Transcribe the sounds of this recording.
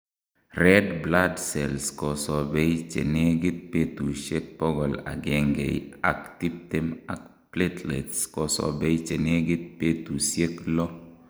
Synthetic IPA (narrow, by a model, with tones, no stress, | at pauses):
rɛ˦dbla˦dsɛ˨lskɔ˨sɔ˨bɛ˦jt͡ʃḛ˨ne˦ɡi˦t̪̚pe˦t̪u˨ʃje˦k̚pɔ˦ɡɔ˨la̰˨ɡe˨ŋɡḛ˨ja̰˨kt̪i˦p̚te˦ma˨k̚ | ple˦tlḛ˨tskɔ˨sɔ̰˨be˦jt͡ʃe˨ne˦ɡi˦t̪̚pe˦t̪u˨sje˦klɔ˦